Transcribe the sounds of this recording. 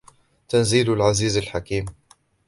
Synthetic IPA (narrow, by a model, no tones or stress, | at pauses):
t̪anziːllʕaziːzalħakiːm